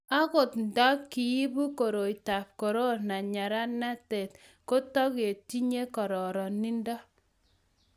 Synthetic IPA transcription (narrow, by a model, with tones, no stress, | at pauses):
a˦kʊ˨tn̩˨dɔ˦kːi˨i˦bu˦ko˨ɾo˨i˨ta˨p̚ko˨ɾo˦na˨ɲa˨ɾa˦na˦te˨t | ko˦tɔ˦ke˨ti˦ɲe˦kɔ˨ɾɔ˨ɾɔ˨ni˦ndɔ˦